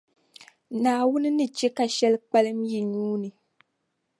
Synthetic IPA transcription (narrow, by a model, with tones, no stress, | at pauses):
naː˨wʊ˦nɨ˦nɨ˨t͡ʃɛ˦ka˨ʃɛ˦lk͡pɛ˦lɨ˦mji˨ɲuː˦nɨ˨